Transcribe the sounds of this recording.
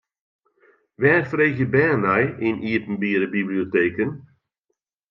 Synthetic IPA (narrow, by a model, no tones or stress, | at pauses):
ʋɛːrfreːɣjəbɛːnɛjɪnʔiːətən̩biːɾəbiblioteːkən